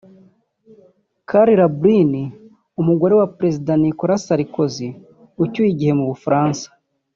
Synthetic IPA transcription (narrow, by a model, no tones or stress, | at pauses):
kʰaɾiɾabɾini | umuɡo̞ɾe̞wapɾe̞zidanikoɾasaɾiko̞zi | ucujiɟihe̞muβufɾaːnsḁ